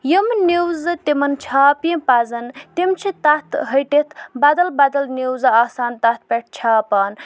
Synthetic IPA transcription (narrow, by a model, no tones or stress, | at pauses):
jimniwzɨt̪imɐnt͡ʃʰaːpjipɐzɐnt̪imt͡ʃʰit̪ɐt̪ʰɦɐʈet̪ʰbɐd̪ɐlbɐd̪ɐlniwzɨaːsaːnt̪ɐt̪̚ʰpeʈ̚ʰt͡ʃʰaːpaːn